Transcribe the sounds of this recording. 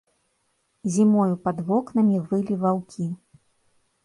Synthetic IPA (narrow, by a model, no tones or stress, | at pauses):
zʲimɔjupɐd̪vɔknɐmʲivɨlʲivawkʲʰi